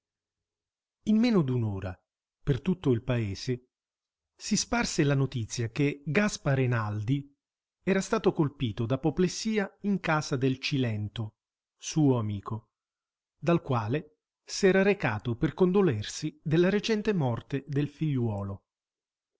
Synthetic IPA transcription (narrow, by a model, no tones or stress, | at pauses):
imːɛːnod̪unoːɾa̰ | pert̪ut̪ːoilpaeːz̥e | sisparselanot̪it̪sːjakeɡaspaɾenald̪i | ɛːɾast̪aːt̪okolpiːt̪od̪apoplesiːaiŋkaːzad̪elt͡ʃilɛnt̪o | suːoamiːko | d̪alkwaːle | sɛːɾaɾekaːt̪operkond̪olersid̪elːaɾet͡ʃɛnt̪emɔrt̪ed̪elfiʎːwɔːlo